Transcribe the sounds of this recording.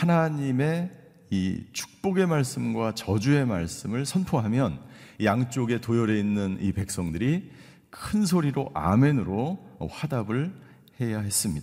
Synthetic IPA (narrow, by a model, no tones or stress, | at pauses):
hanaɲime̞ | ḭt͡ɕʰu̥k̚p͈oɡe̞maɭs͈ɯmɡwat͡ɕʌd͡ʑue̞maɭs͈ɯmɯɭsʰʌnpʰoɦamjʌnjaŋt͡ɕ͈oɡe̞tojʌɾe̞inːɯnḭpe̞k̚s͈ʌŋdɯɾi | kʰɯnsʰoɾiɾoʔa̰me̞nɯɾoɸwadabɯɭ | he̞jahe̞s͈ɯmɲidaa